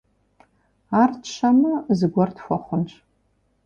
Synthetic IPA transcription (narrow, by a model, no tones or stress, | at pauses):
artʰʃamazɡʷartʰfʷaχʷʊnt͡ʃʷʰʼ